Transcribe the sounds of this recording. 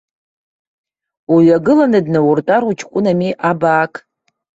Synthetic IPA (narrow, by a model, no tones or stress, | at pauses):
uɥaɡɨlanɨdnawurtʼarut͡ʃʰkʷʼʊnamiʔabaːkʼ